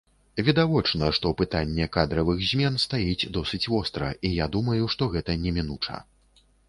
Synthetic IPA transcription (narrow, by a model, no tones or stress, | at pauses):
vʲɛd̪avɔt͡ʂnɐʂt̪ɔwpɨt̪anʲːɛkad̪ɾɐvɨɣzʲmʲɛnst̪ajit͡sʲd̪ɔsɨt͡sʲvɔst̪ɾɐʔijad̪umɐjuʂt̪ɔɣɛt̪ɐnʲɛmʲinut͡ʂɐ̰